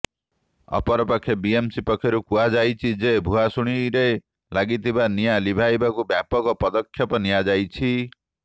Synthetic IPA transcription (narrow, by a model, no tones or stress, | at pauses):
ɔ̰pɔɾɔpɔkʰːjɔbiemsipɔkʰjɔɾukuɦad͡ʒajt͡ʃʰid͡ʒebʱuɦasuɽ̃iɾe | laɡit̪ʰibanijalibʱajbakubjapɔkɔpɔd̪ɔkʰːjɔpɔnijad͡ʒajt͡ʃʰi